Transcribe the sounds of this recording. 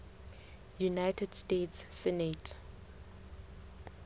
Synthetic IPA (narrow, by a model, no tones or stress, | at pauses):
junajtʰɛdstetsːɛnet